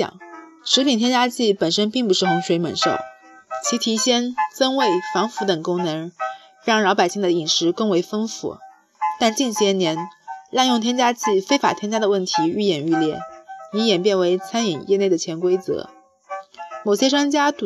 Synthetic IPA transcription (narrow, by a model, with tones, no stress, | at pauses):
ŋ | ʂɻ̩˧˥i˨˩ŋt̪ʰjɛ˥nt͡ɕja˥t͡ɕi˥˩pə˨˩nʂə˥npi˥˩ŋpu˧˥ʂɻ̩˥˩xʊ˧˥ŋʂwe˧˥ɪmə̰˨˩nʂo̰˥˩ʊ | t͡ɕʰi˧˥t̪ʰi˧˥ɕjɛ˥nt͡sə˥nwe˥˩ɪfɑ˧˥ŋfu˧˥t̪ə˨˩ŋkʊ˥ŋnɤ˧˥ŋ˥ | ɑ˧˥ŋlɑ˧˥pa˨˩ɪɕi˥˩ŋd̪ə˩i˨˩ŋʂɻ̩˧˥ko˥ŋwe˧˥ɪfə˥nfṵ˧˥˦ | t̪a˥˧nt͡ɕi˥˩nɕjɛ˧˥njɛ˧˥nlɑ˥˧ŋjʊ˥˩ŋt̪ʰjɛ˥nt͡ɕja˥t͡ɕi˥˩fe˥ɪfa̰˨˩t̪ʰjɛ˥nt͡ɕja˥d̪ə˨wə˥˩nt̪ʰi˧˥y˥˧jɛ˥˩ny˥˧ljɛ˥˩ni˧˥jɛ˨˩npjɛ˥˩nwe˧˥ɪt͡sʰa˥ni˨˩ŋjɛ˥˧ne˥˩ɪd̪ə˩t͡ɕʰjɛ˧˥nkwe˥ɪt͡sɤ̰˧˥ | mo˨˩ʊɕjɛ˥ʈ͡ʂwa˥nt͡ɕja˥t̪